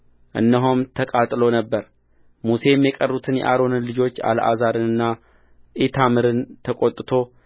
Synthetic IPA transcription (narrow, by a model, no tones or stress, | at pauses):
ʔɨ̰nːəɦomt̪ʰəkʼat̪ʼlo̞nəbːəɾ | muse̞mːjɛkʼərːut̪ʰɨnjɛ̰ʔaɾo̞nɨnlɨd͡ʒo̞t͡ʃːa̰ləʔa̰zaɾɨnɨnːa | ʔit̪ʰamɨɾɨnt̪ʰəkʼot̪ʼːɨt̪ʰo̞